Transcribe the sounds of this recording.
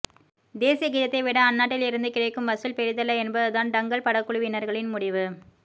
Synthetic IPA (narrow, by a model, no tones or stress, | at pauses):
d̪eːsijɐɡɪːðɐt̪ːɐɪʋɪɽɐːnːaːʈːɪlɪɾɯnd̪ɯkɪɻɐɪkːɯmʋɐsɪlpɛɾɯðɐlːɐɛnbɐðɯðaːnɖ̪ɐŋɡɐɭpɐɽɐkːʊɭɯʋɪnɐɾɣɐɭɪnmʊɽɪʋɯ